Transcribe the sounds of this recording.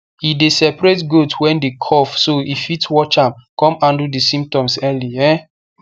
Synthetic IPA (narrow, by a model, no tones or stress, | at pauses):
idesɛpɹetɡotwɛ̃ndekʰɔfsoifitwɔt͡ʃãmkɔ̃mãndudisĩmp̚tɔ̃msɛliɛ